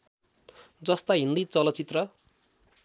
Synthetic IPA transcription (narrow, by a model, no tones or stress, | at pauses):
d͡zʌst̪aɦind̪it͡sʌlʌt͡sit̪rʌ